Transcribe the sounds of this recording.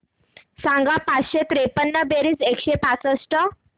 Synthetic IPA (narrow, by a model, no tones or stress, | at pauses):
sãŋɡapat͡sɕet̪ɾepənːəbeɾisekɕepat͡səsʈə